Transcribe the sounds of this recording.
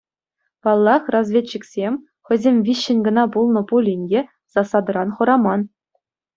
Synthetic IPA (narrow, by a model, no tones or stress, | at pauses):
pɑlˠːɑχrɑzʋʲet͡ɕːĭksʲemʲ | xʲɘ̆zʲemʲʋʲiɕːɘ̆nʲɡɤ̆nɑpulˠnɤ̆pulʲinʲdʲe | z̥ɑsɑd̪ɤ̆ɾɑnχɤ̆ɾɑmɑn